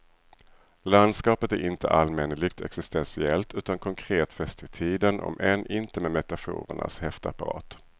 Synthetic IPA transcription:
land̪skɑːpət̪æɾʔɪnt̪ə̰ʔalmɛnlɪɡ̚t̪ʰɛ̰ksɪst̪ɛnsɪɛlt̪ʉ̟ːt̪ankʰɔŋkʰɾeːt̪fɛst̪ɪt̪ʰiːd̪ənʔɔ̰mʔɛnʔɪnt̪əmemɛt̪afṵːɾə̰ɳa̰shɛft̪əapaɾɑ̰ːt̪

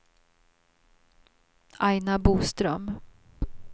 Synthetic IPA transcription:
ʔajnabuːst̪ɾœm

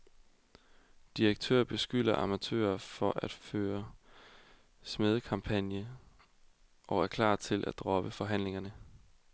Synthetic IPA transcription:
d̥iʁeɡ̥̚t͡sʰø̰ːɐb̥e̝sɡ̥yl̰ɐʔɑ̈mæt͡sʰø̰ːɐfɒ̽ʔæd̥føːɐ | smeð̞ˠəkʰɑ̈mpʰænjə | ʔɒ̽æɐkʰlɑ̰̈ːt͡sʰe̝lʔæ̰d̥̚d̥ʁɒ̽b̥əfɒ̽ɦæn̰le̝ŋɐnə

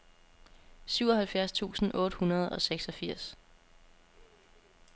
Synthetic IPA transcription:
syʊ̰ɒ̽hælfjæɐst͡sʰṵːsn̩ʔɔ̽ːɾ̥əhunɐð̞̩ˠɒ̽seɡ̥sɒ̽fiɐ̰s

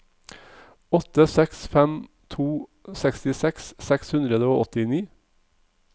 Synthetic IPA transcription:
ɔt̪əsɛksfɛm | t̪ʰuːsɛkst̪ɪsɛkssɛkshʉnd̪ɾəd̪əoːʔɔt̪ɪniː

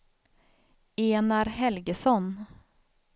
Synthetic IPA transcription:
eːnaɾɦɛlɡəsɔn

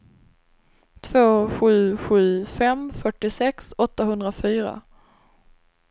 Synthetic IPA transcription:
t̪ʰvoːɧʉ̟ːɧʉ̟ːfɛmfœʈːɪsɛksɔt̪ːaɦɵnd̪ɾafyːɾa̰

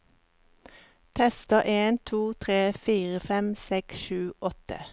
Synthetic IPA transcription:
t̪ʰɛst̪əʔeːnt̪ʰuːt̪ʰʁeːfiːʁəfɛmsɛksʃʉːʔɔt̪ə̰

